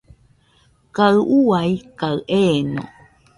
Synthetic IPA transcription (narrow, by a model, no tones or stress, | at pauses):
kaɨʔuajkaɨʔeno̰